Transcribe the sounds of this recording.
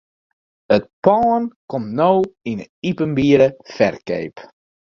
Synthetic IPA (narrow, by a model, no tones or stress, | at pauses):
ət̚pɔːnkɔmnowinəipənbiəɾəfɛrkḛjp